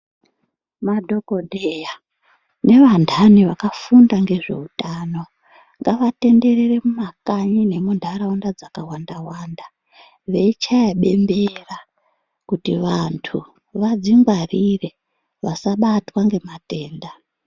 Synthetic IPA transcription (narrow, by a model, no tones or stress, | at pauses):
madʱo̞ko̞dʱeja | ne̞ʋandʱaniʋakafundaŋɡe̞ʐe̞̰utano̞ | ŋɡaʋate̞nde̞rere̞mumakaɲine̞mundʱaɾaundad͡zakawandawaːnda | ʋe̞it͡ʃajaɓe̞mbe̞ra | kutiʋantʰu | ʋad͡ziŋɡwarire̞ | ʋasaɓatwaŋɡe̞mate̞ːnda